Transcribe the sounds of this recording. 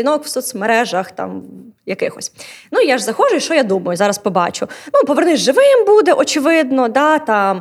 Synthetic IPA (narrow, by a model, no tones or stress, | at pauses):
inɔkwsɔt̪sʲmeɾɛʒɐxt̪ɑ̰mjɐkɪxɔsʲnujaʒzɐxɔʒʊjʊʃt͡ʃɔjad̪umɐjʊzɑɾɐspɔbɑ̰t͡ʃʊnupɔʋernɪzʲʒɪʋɪmbud̪ɛʔɔt͡ʃɪʋɪd̪nɔd̪ɑt̪ɑm